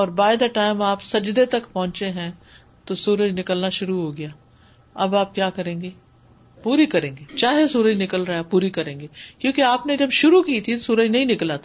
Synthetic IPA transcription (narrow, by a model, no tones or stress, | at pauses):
ɔːɾbaːɪd̪ɐʈaːɪmaːpsɐd͡ʒd̪et̪ɐkpɔ̃ɦʊ̃nt͡ʃeɦɛ̃ | t̪osuːɾəd͡ʒnɪkəlnaʃʊɾuɦoːɡɐjaː | ɐbaːp̚kjaːkɐɾẽːŋɡeː | puːɾikɐɾẽːŋɡeːt͡ʃaːɦesuːɾəd͡ʒnɪkəlɾɐɦapuːɾikɐɾẽːŋɡeːkjõːkeaːpned͡ʒɐbʃʊɾukiːt̪ʰit̪osuːɾəd͡ʒnɐɦĩnɪkəlaːt̪ʰa